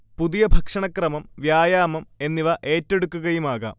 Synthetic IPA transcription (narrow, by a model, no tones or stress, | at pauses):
puðijɐbʱɐkʂɐɳɐkrɐmɐmʋjaːjaːmɐme̞nːiʋɐʔe̞ːtːe̞ɽukːuɣɐjumaːɣɐ̰